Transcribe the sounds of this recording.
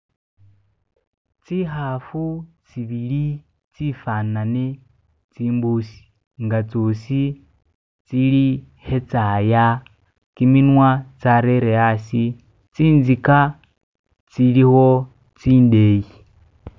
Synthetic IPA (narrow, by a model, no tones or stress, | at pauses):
t͡siːɦafut͡siβili | t͡sifanane | t͡siːmbusi̥ | ŋɡat͡sosi | t͡sili | he̞t͡saja | kiminwat͡saɾeɾeasi | t͡siːnzika | t͡siliho | t͡siːndeji